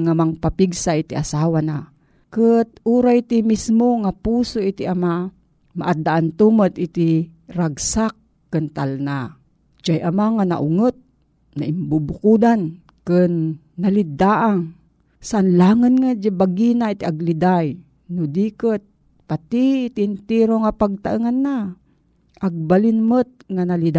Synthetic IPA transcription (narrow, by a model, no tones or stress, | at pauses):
ŋamaŋpapiɡsaʔit̪iʔasaːwana | kət̪̚ʔuɾajt̪imismoŋapusoʔit̪iʔama | maʔad̪aʔant̪umət̪it̪iɾaɡsakː | ɨnt̪alna | d͡ʒajʔamaŋana̰ʔʊŋət̪̚ | na̰ʔɪmbubʊkud̪an | kɨnː | alid̪aʔaŋ | saʔanlaŋənŋad͡ʒabaɡinait̪iʔaɡlid̪aj | nʊd̪iːkət̪̚ | pat̪it̪iɪnt̪iɾoŋapaɡ̚t̪aʔəŋanːa | ʔaɡ̚balɪnmət̪̚ŋanalid̪